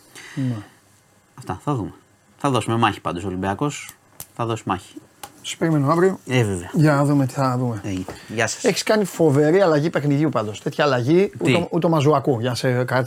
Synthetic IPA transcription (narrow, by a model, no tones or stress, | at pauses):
mɐ | ɐft̪ɐθɐðume | θɐðo̞sumemɐçi̥pɐnd̪os̬olimbiɐko̞s | θɐðo̞sumɐçi̥ | si̥sb̥e̞ɾime̞noɐvɾioeveveɐʝɐnɐðumet̪i̥θɐðumeeʝɐsɐ̥seçi̥skɐnifo̞ve̞ɾiɐlɐʝipe̞xniðʝupɐnd̪o̞st̪e̞t̪çɐːlɐʝiueut̪omɐzuɐkuʝɐsekɐt̪i